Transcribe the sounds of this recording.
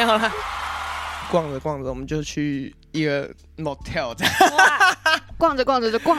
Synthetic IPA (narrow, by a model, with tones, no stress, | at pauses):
ɑ˥˩la˨ | kwɑ˥˨ŋd͡zə˨˩kwɑ˥˩ŋd͡zə˨wɔ˨mə̃˦nt͡ɕjo˥˧ʊ˥˧t͡ɕʰy˥˩ | i˦˥ɡə˨ | mo˨˩t̪ʰɛ˥˨lt͡sa˥˨˩ | kwɑ˥˩ŋd͡zə˨˩kwɑ˥˩ŋd͡zə˨˩ə˥˩kwɑ˥˨